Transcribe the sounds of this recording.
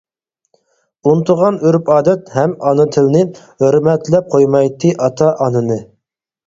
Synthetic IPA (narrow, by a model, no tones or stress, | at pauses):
unt̪ʰʊʁɑnyɾpɑːd̪ɛt̪hɛmɑnɨt̪ʰɪlnɪ | høɾmɛt̪lɛp̚qʰojmɑjt̪ʰːɨʔɑt̪ʰɑʔɑnɨnɨ